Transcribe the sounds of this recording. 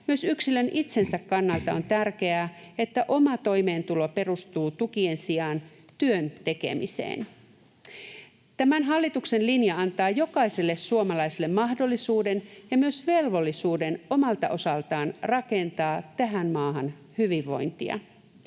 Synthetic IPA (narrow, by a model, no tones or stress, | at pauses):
myøsyksilø̞nʔit̪se̞nsækːɑnːɑlt̪ɑo̞nt̪ærk̟e̞æːet̪ːæʔo̞mɑt̪o̞jme̞ːnt̪ulo̞pe̞rust̪uːt̪ukie̞nsiɑn | t̪yønt̪e̞ke̞̰mḭsḛːn | t̪æmænɦɑlːit̪ukse̞nlinjɑɑnt̪ɑːjo̞kɑise̞lːe̞ssuomɑlɑjselːemmɑɦdo̞lːisuːde̞njɑmyøsʋe̞lʋo̞lːisuːde̞no̞mɑlt̪ɑʔo̞sɑlt̪ɑːnrɑke̞nt̪ɑːt̪æɦænmɑːɦɑn | hyʋiʋːo̞̰jnt̪iɑ̰